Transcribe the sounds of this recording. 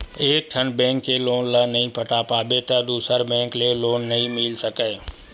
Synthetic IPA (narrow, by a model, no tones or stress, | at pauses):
eːk̚ʈʰɐnbɛ̃ːŋkːeloːnlənɐɦĩpʰɐʈaːpaːbet̪ɐd̪uːsəɾbɛ̃ːŋkleloːnːɐɦĩmɪlsɐkəe